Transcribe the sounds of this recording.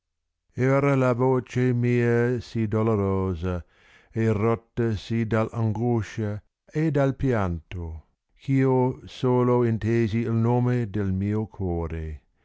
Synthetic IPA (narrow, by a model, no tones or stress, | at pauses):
ɛːɾəlavoːt͡ʃemiːɐəsid̪oloɾoːzɐ | erɔt̪ːɐsid̪ala̰ŋɡuʃa | ed̪alpjant̪o | kʰiːosoːloint̪eːziːlnoːmed̪elmiːokʰwɔːɾe